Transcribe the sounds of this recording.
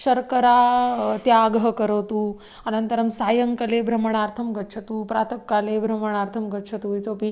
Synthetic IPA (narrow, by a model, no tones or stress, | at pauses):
ʃɐɾkəɾat̪jaːɡɦəkəɾət̪u | ənɐnt̪əɾɐmsaːjəŋkɐlebʱɾɐməɳ̃aːɾt̪ʰɐmɡɐtːt͡ʃʰɐt̪uːpɾat̪ʰɐkːalebʱɾɐməɳ̃aːɾt̪ʰɐmɡɐtːt͡ʃʰɐt̪uit̪opi